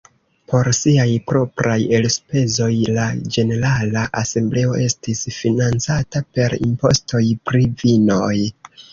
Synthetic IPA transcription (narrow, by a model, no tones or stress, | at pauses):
pʰo̞ɾsiajpɾo̞pɾaje̞lspe̞zo̞jlad͡ʒe̞ne̞ɾalaʔase̞mble̞o̞̰ʔe̞stisfinant͡satape̞ɾḭmpo̞̰sto̞jpɾivino̞j